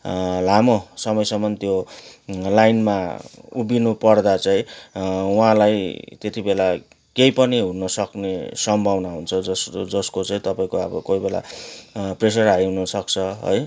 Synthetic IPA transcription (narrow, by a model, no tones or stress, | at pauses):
lamosʌmʌjsʌmʌnt̪jo | lajnmaubinupʌrd̪at͡saĩ | uɦãlajt̪et̪ibela | kejpʌniɦunʌsʌknesʌmbʱʌwnaɦunt͡sʰʌd͡zʌsd͡zʌskot͡saĩt̪ʌpaĩkoʌbʌ̰kojbela̰ | pres̬ʌrɦajɦunʌsʌk̚t͡sʰʌɦʌ̰j